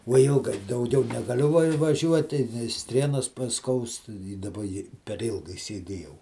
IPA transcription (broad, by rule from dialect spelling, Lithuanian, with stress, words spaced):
ʋoː ˈɪlˠɡɐɪ dɐʊˈɡʲɛʊ nʲɛɡɐˈlʲʊ ʋɐ ʋɐˈʒʲuɔtʲɪ ˈsʲtʲrʲiɛnoːs pɐˈskɐʊst iː dɐˈbɐ ɪ pʲɛr ˈɪlˠɡɐɪ sʲiɛˈdʲeːjɛʊ